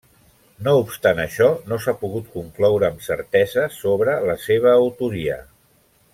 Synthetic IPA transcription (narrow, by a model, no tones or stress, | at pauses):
noupst̪anəʃɔnosapuɣut̪̚kuŋklɔwɾəːmsəɾt̪ɛzəsoβɾələseβ̞əːwt̪uɾiə̰